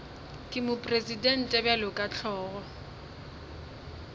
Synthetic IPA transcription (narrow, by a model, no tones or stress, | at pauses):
kʼɪmʊpʼresidɛn̩tʼɛbjalʊkʼat͡ɬʰɔːɣɔ